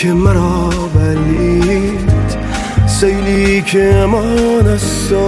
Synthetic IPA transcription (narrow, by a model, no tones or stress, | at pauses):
emæɾɔː | væɾii | d̪ | sejliːkʰemɒnæs | ɔ